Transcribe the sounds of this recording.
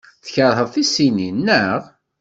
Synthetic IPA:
θçəɾˤhəðˤθisininːəʁ

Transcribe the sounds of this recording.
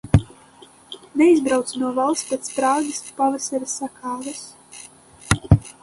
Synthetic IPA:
nɛizbɾawt̪snuɔvalˠspʲet̪spɾawd̪ʲispavɛsʲaɾɨsːakaːvɨs

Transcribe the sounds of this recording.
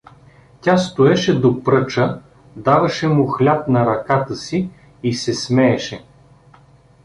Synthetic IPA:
tʲast̪ʊɛʃɛd̪opɾɤt͡ʃə | d̪avɐʃɛmʊxlʲap̚nɐɾɐkat̪əsi | isɛsmɛːʃɛ

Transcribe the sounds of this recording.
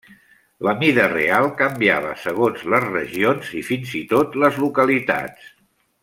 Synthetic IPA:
ləmiðərḛalˠkəmbiaβə̰səɣ̞onzləzrəʒionzifinzit̪ot̪ləzlukəlit̪a̰tt͡s

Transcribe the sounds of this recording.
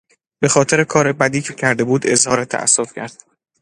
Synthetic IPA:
be̞xɒːt̪ʰe̞ɾe̞kʰɒːɾe̞bæd̪iːcʰecʰæɾd̪e̞buːd̪e̞zhɒːɾet̪ʰæ̰ʔæ̰sːo̞fcʰæ̰ɾd̪̥̚

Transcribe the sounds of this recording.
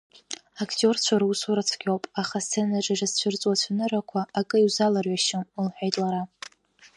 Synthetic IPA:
akʰtʼjo̞rt͡ɕʷʰaɾusuɾat͡sʰɡʲʼowpʼaχast͡sʰːenaʈ͡ʂʼaʐast͡ɕʷʰʊrt͡sʼwat͡ɕʷʰanɨɾakʷʰaʔːkʼɨiwzalarɥaʃɪmlħʷᶣajtʼlaɾa

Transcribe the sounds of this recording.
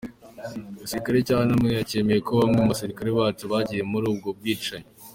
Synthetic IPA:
asiɾikaɾecaːhanamŋejace̞ːme̞jekoβamŋeaβaseɾikaɾeβaːtuβaɟije̞muɾuːb̚ɡo̞b̚ɡiːt͡ʃaɲi

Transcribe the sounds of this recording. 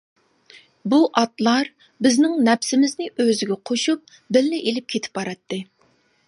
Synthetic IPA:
buʔɑt̪lˠɑɾ | bɪznɪŋnɛpsɪmɪznɪʔøzɪɡʲɛqʰoʃup̚ | bɪlːɪʔelɪp̚kʲʰet̪ʰɪ̥p̚bɑɾɑt̪ʰːɨ

